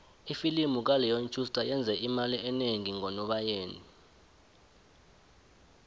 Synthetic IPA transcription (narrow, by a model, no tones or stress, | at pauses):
ifilimuk̬alɛjont͡ʃʰʼustʼajɛnd͡zʱɛʔimaliʔɛneŋiŋɔnɔɓajeːni